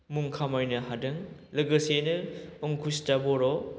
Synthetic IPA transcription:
muŋkʰamɔjnɐɦadɯŋlɐɡɐsenɯɔŋkʰustabɔɾɔ

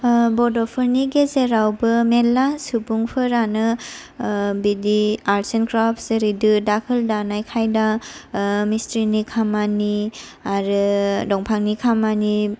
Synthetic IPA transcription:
bɔdɔpʰɯɾniɡezeɾawbɯmelːasubuŋpʰɯɾanɯ | bidiaɾsenkɾapʰseɾidɯdakʰɯldanajkʰajda | mistɾinikʰamani | aɾɯdɔŋpʰaŋnikʰamani

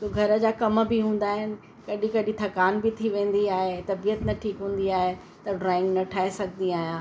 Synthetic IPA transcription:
soːɡʱɐɾəd͡ʑaːkɐm̆bɪɦũːn̆d̪aːɦɪnɪ̆ | kɐɗĩkɐɗĩt̪ʰɐkaːnbɪt̪ʰiʋẽːn̆d̪iaːɦet̪ɐbijət̪nɐʈʰiːkɦũːn̆d̪iaːɦe | t̪ɐɖɾaːɪ̃ŋɡnɐʈʰaːɦesɐɡʱənd̪iaːɦijãː

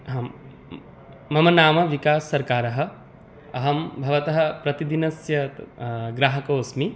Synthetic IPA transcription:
mɐmɐnaːmɐʋikaːsːɐɾkaːɾɐɦɐ̆ | ɐɦɐmbʱɐʋɐt̪ɐɦɐ̆pɾɐt̪id̪inɐsjɐ | ɡɾaːɦɐkoːsmi

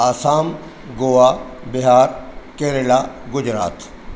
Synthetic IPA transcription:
aːsaːm | ɡoːʋa | bɪɦaːɾkeːɾelaɡʊd͡ʑɾa̰ːt̪

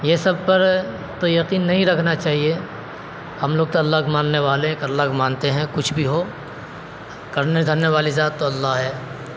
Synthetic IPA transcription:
jesɐb̚pɐɾ | t̪ojɐqiːnːɐɦĩɾɐkʰnat͡ʃaːɦie | hɐmloːɡ̚t̪oɐlːaːkmãːnːeʋaːlẽklːakmãːnt̪eɦɛ̃kʊt͡ʃʰbʱiɦoː | kɐɾned̪ʱɐnːeʋaːlizaːt̪ːoɐlːaɦɦɛː

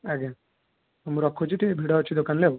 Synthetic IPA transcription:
ɛɡe | muɾɔkʰːot͡ʃʰiʈibʱiɽaot͡ʃʰid̪okanlew

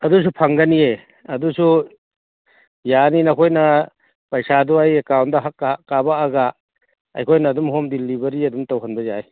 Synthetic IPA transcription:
ɐdus̬upʰaŋɡanie | ɐdusu | janinɐkʰojnɐ | pajsaduajekawnt̚dɐɦakːkːabaːɡa | a̰jkʰojnaːdumhomdilibɐɾiɐdumtawɦanbɐzaj

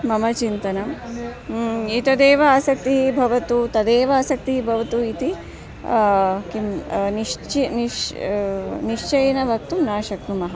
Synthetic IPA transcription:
mɐmɐt͡ʃint̪ɐnɐm | it̪ɐd̪eːʋɐːsɐk̚t̪iɦibʱɐʋɐt̪ut̪ɐd̪eːʋɐːsɐk̚t̪iɦibʱɐʋɐt̪uit̪i | kimniʂt͡ʃiniʃ | niʂt͡ʃɐjɐnɐʋɐk̚t̪umnaːʃɐknumɐɦɐ

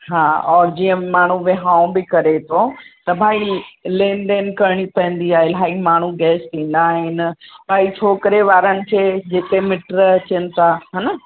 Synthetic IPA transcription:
ɦaːɔːɾd͡ʑĩːə̃maːɳ̤uʋɪɦãːũbɪkɐɾet̪ʰot̪ɐbʱaːilẽːnd̪eːnkɐɾɽ̃ipɐə̃n̆d̪iaːɦelaːimaːɳ̤uɡɛːst̪ʰĩːn̆d̪aːɦɪnɪ̆bʱaːit͡ɕʰoːkɾeʋaːɾənɪ̆kʰeːd͡ʑeːk̪emɪʈɾɐt͡ɕənɪ̆t̪ʰaɦɐnɐ

